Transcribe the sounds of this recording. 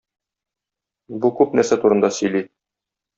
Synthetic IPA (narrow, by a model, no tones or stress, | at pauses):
bukʉp̚næɾsæt̪uɾɤ̆nd̪ɑsɵ̆jli